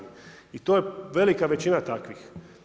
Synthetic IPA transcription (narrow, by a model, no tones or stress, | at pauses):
it̪oːjeʋe̞likaʋe̞t͡ɕinat̪akʋix